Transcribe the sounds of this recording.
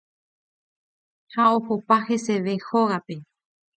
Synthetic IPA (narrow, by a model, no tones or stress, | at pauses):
haohopahe̞se̞ʋe̞hoɣape̞